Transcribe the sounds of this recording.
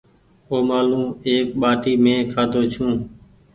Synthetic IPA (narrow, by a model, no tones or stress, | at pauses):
oːmaːlũːeːk̚ɓaːʈiːmẽːkʰaːd̪ʱoːt͡ʃʰũː